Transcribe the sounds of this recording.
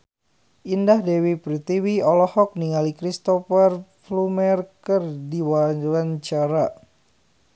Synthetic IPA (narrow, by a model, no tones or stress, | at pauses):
ʔindahdewipɾit̪iwiɔlɔhɔk̚niŋalikɾist̪ɔfərflumɛrkərdiwaaɲt͡ʃaɾa